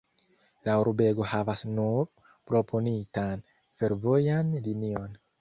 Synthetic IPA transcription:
lauɾbe̞ɡo̞havasnuɾ | pɾo̞pʰo̞nitan | fe̞ɾvo̞janlinio̞n

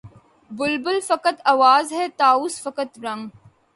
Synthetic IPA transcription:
bʊlbʊlfɐkət̪ɐʋaːzɦɛːt̪aːuːsfɐkət̪ɾɐ̃ŋɡ

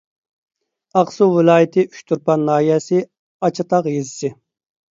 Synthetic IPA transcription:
ɑqsuwɪlˠɑːjit̪ʰɪyʃt̪ʰuɾpʰɑnːɑːijɛsɪ | ɑt͡ʃʰɑt̪ʰɑqjezɪsɪ

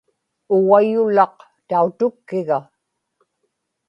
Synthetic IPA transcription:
ʊɣajʊlɑq̚ | t̪aut̪ʊkːɪɣa

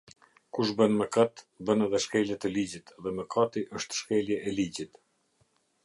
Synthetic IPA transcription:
kuʃ̬bənməkat̪bənɛðɛʃkɛljɛt̪ɛlid͡ʑit̪ʰɛðɛməkʰat̪iʔəʃt̪ʃkɛljɛʔɛlid͡ʑit̪

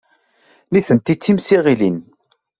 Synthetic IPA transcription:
niθənt̪it͡sːimsiʁilin

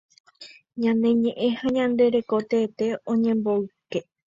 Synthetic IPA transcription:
ɲãne̞ɲẽ̞ʔẽhaɲãnd̪e̞ɾe̞ko̞t̪eːt̪e̞õɲẽ̞mboɨke

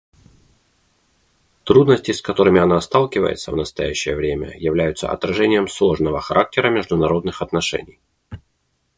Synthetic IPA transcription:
t̪ɾud̪nəsʲtʲɪskɐt̪o̞ɾɨmʲɪɐnast̪alˠkʲɪvə̰jɪ̰t̪sə̰vnəst̪ɐjæɕːɪ̰jəvɾʲemʲə̰jɪvlʲæjʊt̪sə̰ɐ̰t̪ɾɐʐɛnʲɪjəmslˠo̞ʐnəvəxɐɾʔak̚tʲɪɾəmʲɪʐd̪ʊnɐɾo̞d̪nɨxɐt̪nɐʂɛ̰nʲɪj

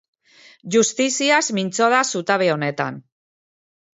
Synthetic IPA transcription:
ʝust̪isiazmint͡so̞ðasut̪aβeo̞ne̞t̪a̰n

